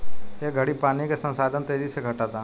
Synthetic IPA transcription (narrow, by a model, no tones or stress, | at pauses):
jeɡʱɐɽipaːnikesə̃nsaːd̪ʱənt̪eːd͡ʒiseɡʱɐʈat̪aː